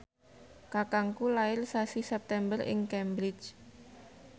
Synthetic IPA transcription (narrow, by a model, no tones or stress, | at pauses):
kakaŋkulaɪrsasisɛp̚t̪ɛmbərɪ̰ŋkɛmbɾɪ̥t͡ʃ